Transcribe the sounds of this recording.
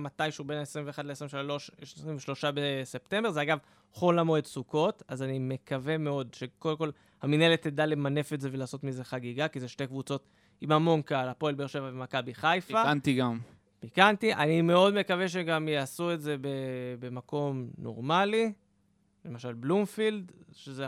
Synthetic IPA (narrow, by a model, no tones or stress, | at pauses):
matajmʃeube̞naesʁimveːχadlesʁimʃlo̞ʃʃʁimveʃlo̞ʃabese̞pte̞mbe̞ʁzeaɡav | χo̞lamoetsuko̞tazanime̞kave̞me̞o̞dʃe̞kodemko̞l | haminelet̪ːedale̞mane̞fetzeve̞laːso̞tmize̞χaɡiɡakizeʃte̞kvut͡so̞t | imamo̞nkaalapo̞elbeeʃevavemakabiχajfaantiɡam | b̥ikantiʔanime̞o̞dme̞kave̞ʃ̬eɡamjeasue̞tze̞be̞be̞mako̞mno̞̰ʁmali | le̞maʃalblumfild̪ʃeze